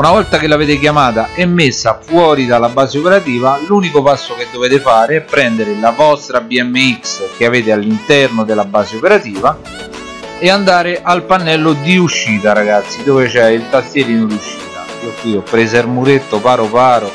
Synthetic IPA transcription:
unavɔlt̪akelːaveːt̪ɪk̟jamaːt̪aʔɛmːesːafwɔːɾid̪alːabːaːzeopeɾat̪iːvaluːnikopasːok̟ed̪ːoveːt̪efaːɾeɛpːɾɛnd̪eɾɪlavɔst̪ɾabiɛmːeiksk̟eaveːt̪ɪalːint̪ɛrnod̪elːabaːzeopeɾat̪iːva | ɛand̪aːɾɪʔalpanːɛlːod̪iuʃːiːt̪aɾaɡat̪sːid̪oːvet͡ʃɛilt̪ast̪jɛɾiːnod̪uʃːiːt̪a | ok̪iːopɾezermuɾet̪ːopaːɾopaːɾo

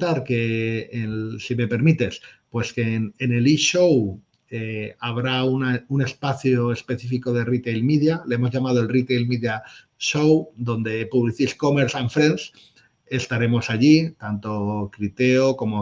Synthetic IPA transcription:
t̪aɾke̞ensime̞pe̞ɾmit̪e̞spwe̞skenːne̞liʃow | eaβ̞ɾaunaune̞spaθjoe̞spe̞θifiko̞ð̞e̞rit̪ejlmiðjaleemo̞zʝamað̞oelrit̪ejlmiðja | ʃowd̪õ̞nd̪e̞puβliθisko̞meɾsaɱfɾens | e̞st̪aɾe̞mo̞saʝit̪ant̪o̞kɾit̪e̞oko̞mo̞

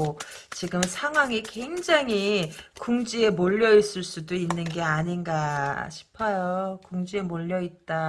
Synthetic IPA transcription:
o | t͡ɕiɡɯmsʰaŋɦwaŋike̞ŋd͡ʑaŋɦikuŋd͡ʑie̞moʎːʌis͈ɯɭs͈udoinːɯnɡe̞aɲinɡaɕʰi̥pʰʌjokuŋd͡ʑie̞moʎːʌit̚t͈a

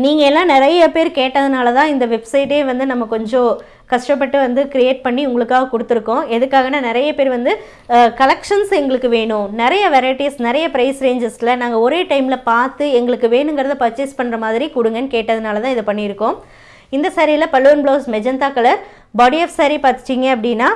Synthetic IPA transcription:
niːŋɡɐɛlːãːnɪɾɐjɐpeːɾkeːʈːɐðɯnaːlɐt̪ãːɪnd̪ɐʋɛbsɐɪʈːeːʋɐnd̪ɯnɐmːɐkɔɲd͡ʒõ | kɐʂʈɐpːɐʈːɯʋɐnd̪ɯkɪɾɪjeːʈ̚pɐɳːiʊŋɡɐɭɯkːaːɣɐkʊɽɯt̪ːɯɾɯkːõːɛðɯkːaːɣɐnaːnɪɾɐjɐpeːɾʋɐnd̪ɯ | kɐlɐkʂɐnsɛŋɡɐɭɯkːɯʋeːɳʊ̃nɪɾɐjɐʋɛɾɐɪʈisnɪɾɐjɐpɪɾɐɪsɾeːɲd͡ʒɐɾslɐnaːŋɡɐɔɾeːʈɐɪmɪlɐpaːɾt̪ːɯɛŋɡɐɭɯkːɯʋeːɳɯŋɡɐɾɐðɐpɐɾt͡ʃːɪspɐɳːɯɾɐmaːðɪɾikʊɽɯŋɡɐnːɯkeːʈːɐðɯnaːlɐt̪ãːɪðɯpɐɳːɪɪɾɯkːõ | ɪnd̪ɐsaːɾilɐpɐlːɯʋɐnbɭoːsmɛd͡ʒɐnt̪aːkɐlɐɾ | baːɽiɛfsaːɾipaːɾt̪ɯ̥t͡ʃːiŋɡɐɐpːɐɽɪnːaː

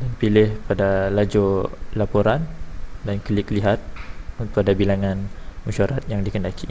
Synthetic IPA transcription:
danpilɪhpadalad͡ʒolapoɾandankəlikliɦat̪̚unt̪ʊadabilaŋãnmuʃaɾat̪̚jaŋdikəndaki

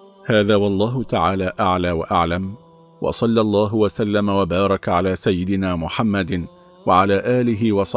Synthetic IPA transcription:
haːðaːwɑlˤːɑːɦʊt̪aʕaːlaːʔaʕlaːwaʔaʕlam | wʔɑ̰sˤɑlːlˤːɑːɦʊwasalːamawabɑːɾˤɑkʕalaːsajːɪd̪ɪnaːmʊħamːad̪ | waʕalaːʔaːlɪɦɪwɑsˤɑ

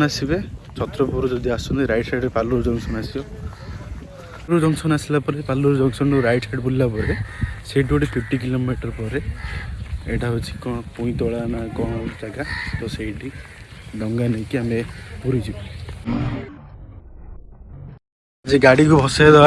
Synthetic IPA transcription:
nasibet͡ʃɔt̪ɾɔpuɾud͡ʒɔd̪iasɔniɾajʈsaɖepaluɾud͡ʒɔŋsɔnasibɔ | ɾud͡ʒɔŋsɔnasilapɔɾepaluɾud͡ʒɔŋsɔnuɾajʈsaɖpulːapɔɾeseʈioʈipʰipʈik̬ilomiʈɔɾpɔɾe | eʈaɦot͡ʃʰi̥kɔpuĩt̪ɔɭanakɔ̃aʈit̪aɡat̪ɔseiʈi | ɖɔŋɡanajkiamepuɾid͡ʒʰibɔ | d͡ʒeɡaɽikubʱɔsajd̪a

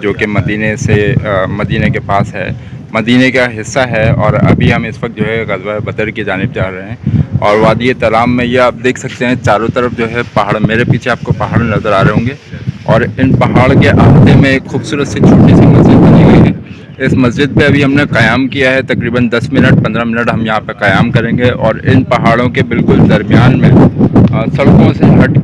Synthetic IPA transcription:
d͡ʒoːkemɐd̪iːnesemɐd̪iːnekepaːsɦɛ̰ː | mɐd̪iːnekaɦɪsːaɦɛɔːɾɐ̰bʱiɦɐmɪsʋɐk̚t̪̚d͡ʒoːɦɛɣɐzwabɐd̪əɾkid͡ʒaːnɪb̚d͡ʒaːɾɐɦeɦɛ̃ɔːɾʋaːd̪iet̪ɐlaːmːẽjeaːp̚d̪eːkʰsɐk̚t̪eɦɛ̃t͡ʃaːɾõt̪ɐɾəfd͡ʒoːɦɛpɐɦaːɽmeːɾepiːt͡ʃʰeaːp̚kopɐɦaːɽnɐzəɾaːɾɐɦõːɡeːɔːɾɪnpɐɦaːɽkeʔaːft̪emẽeːkxuːbsuːɾət̪sit͡ʃʰoːʈisimɐzd͡ʒɪd̪̚bɐniɡɐiɦɛ̃ː | ɪsmɐzd͡ʒɪd̪̚peɐbʱiɦɐmneqɐjaːmkijaɦɛt̪ɐkɾiːbənd̪ɐsmɪnəʈ̚pɐ̃nd̪ɾamɪnəʈɦɐmjɐɦãpeqɐjaːmkɐɾẽːɡeʔɔːɾɪnpɐɦaːɽõkebɪlkʊld̪ɐɾmijaːnmẽ | sɐɽkõseɦɐʈ

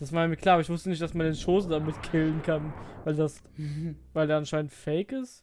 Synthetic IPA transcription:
d̥asmaɪnmkl̥aːʔːbɐɪçv̥ʊstənɪçtd̥asmandeːnʃoːsn̩damɪtkʰɪlənkʰanvaɪldas | vaɪldeːɐanʃaɪnəntfɛɪkɪst

